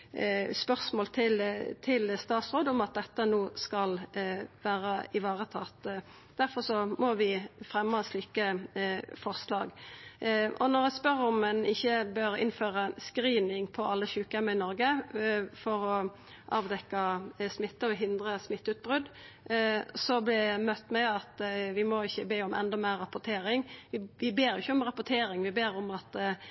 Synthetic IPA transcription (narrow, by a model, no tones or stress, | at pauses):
spœʁsmoːlt̪ʰɪlt̪ʰɪlst̪ɑːt̪sʁoːd̪ɔmɑt̪̚d̪ɛt̪ːənoːskɑlʋæːʁəɪʋɑːʁət̪ʰɑt̪ | d̪̥æʁfɔʁsɔmɔʋɪfɾɛmːəɑsliːkə | fɔʁslɑ̰ːɡ | ʔɔ̰nɔɾæspœʁɔmːɛnɪçːəbøɾɪ̰nføːɾəɑnskɾiːnɪŋpʰɔʔɑlːəçʉːkəɛməɪnɔɾɡəfɔɾɔ | ʔɑːʋd̪ɛkːɑsmɪt̪ːəɔɦɪnd̪ɾəsmɪt̪ːʉːt̪̚bʁʉd̪ | sɔblɛmœt̪ːmɛɪɑt̪ʋɪmɔɪçːəbeːɔmʔɛ̰nd̪ɑmæːʁɑpʊʁt̪ʰeːɾɪŋʋɪʋɪbeːɾjɪçːəɔmʁɑpʊt̪ʰeːɾɪŋʋɪbeːɾɔmɑt̪